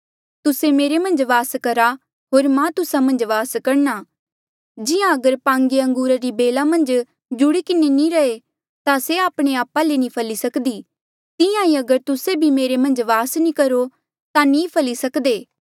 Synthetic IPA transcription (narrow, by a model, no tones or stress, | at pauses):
t̪ʊsemeːɾemɐ̃nd͡ʒʋaːskɐɾa | ɦoːɾmãt̪ʊsamɐ̃nd͡ʒʋaːskɐɾnaː | d͡ʒɪjãɐɡəɾpãːŋɡeɐ̃ŋɡuːɾaɾibeːlamɐ̃nd͡ʒ | d͡ʒʊɽikɪnenĩɾɐe | t̪aseaːpɽ̃eaːpːalenĩpʰɐlisɐkd̪iː | t̪ɪjãiɐɡəɾt̪ʊsebʱimeːɾemɐ̃nd͡ʒʋaːsnĩkɐɾo | t̪ãnĩːpʰɐlisɐkd̪eː